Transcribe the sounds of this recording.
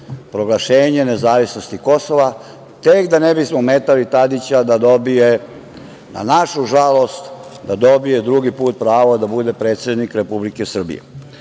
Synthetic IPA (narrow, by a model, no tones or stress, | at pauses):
pɾo̞ɡlaʃe̞ːɲe̞nezaːʋisno̞st̪iko̞so̞ʋa | t̪ekd̪anebismomeːt̪alit̪ad̪it͡ɕad̪ad̪o̞bije̞ | na̰naʃuʒalo̞st̪d̪ad̪o̞bije̞d̪ɾuɡipuːt̪̚pɾaːʋod̪abud̪e̞pɾe̞ːt̪sʲe̞d̪nikɾe̞publike̞sr̩bḭjḛ